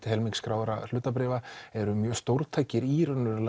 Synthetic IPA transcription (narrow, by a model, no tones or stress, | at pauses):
t̪ɪ̥ɦɛlmiŋkskɾaːwɾal̥ʏːt̪ap̬ɾɪːvaɛɾʏmjœːst̪owɾ̥t̪ʰajcɪɾiɾœnːʏɾl